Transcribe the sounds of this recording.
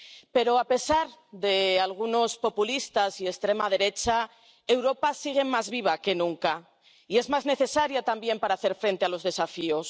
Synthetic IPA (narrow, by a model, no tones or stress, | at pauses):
pe̞ɾo̞ape̞saɾðe̞alɣ̞uno̞spo̞pulist̪asie̞st̪ɾe̞mað̞e̞ɾe̞t͡ʃa | e̞wɾo̞pasiɣ̞e̞mmazβiβ̞ake̞nũŋka | ie̞zmazne̞θe̞saɾjat̪ambje̞mpaɾaːθe̞ɾfɾẽ̞nt̪e̞alo̞zðe̞safio̞s